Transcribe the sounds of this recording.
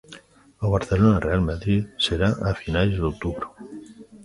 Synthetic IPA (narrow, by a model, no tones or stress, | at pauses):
əβaɾθelonarealmaðɾit̪seɾaʔafinalzd̪ok̚t̪uβɾo